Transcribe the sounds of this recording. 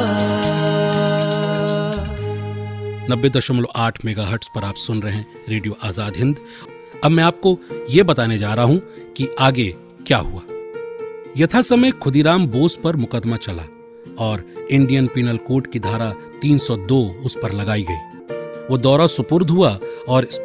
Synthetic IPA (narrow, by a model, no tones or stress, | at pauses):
nɐbːed̪ɐʃəmloʔaːʈʰmeːɡaɦəɾʈspɐɾaːpsʊnɾɐɦɛ̃ | ɾeːɖijoʔaːzaːd̪ɦɪ̃nd̪ | ɐbmɛ̃aːp̚kojebɐt̪aːned͡ʒaːɾɐaɦũkiaːɡe | kja̰ːɦuaː | jɐt̪ʰasɐməjkʰʊd̪iɾaːmboːspɐɾmʊkəd̪mat͡ʃɐla̰ | ɔːɾɪ̃ɳɖijənpiːnəlkoːʈkid̪ʱaːɾa | t̪iːnsɔd̪oːʊspɐɾlɐɡaːiɡɐiː | ʋoːd̪ɔːɾasʊpʊɾd̪ʱɦuaɔːɾɪs